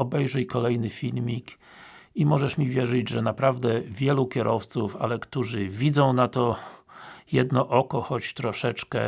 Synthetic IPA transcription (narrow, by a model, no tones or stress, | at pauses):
ɔbɛjʐɛjkɔlɛjnɘfʲilmʲik | imɔʐɛʂmʲivʲjɛʐɘd͡ʑʐɛnapɾavd̪ɛvʲjɛlukʲɛɾʔɔft̪sufa̰lɛkt̪uʐɘvʲid̪zɔ̃w̃nat̪ɔ | jɛd̪nɔʔɔkɔxɔt͡ɕt̪ɾɔʂɛt͡ʂkɛ̰